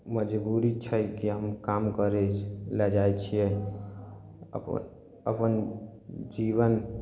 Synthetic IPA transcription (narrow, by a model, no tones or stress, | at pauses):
məd͡ʒbuɾit͡ʃʰəjkiɦəmkamkəɾelɛd͡ʒajt͡ʃʰijɛ | ə̰p | ə̰pən | d͡ʒiβən